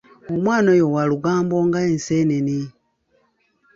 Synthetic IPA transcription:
omwaːnojowaluɡaːmboŋɡaenseneni

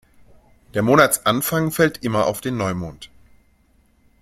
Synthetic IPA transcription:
d̥eːɐmoːnat͡sʔanfaŋfɛltʔɪmɐaʊfd̥eːnːɔʏmoːnt

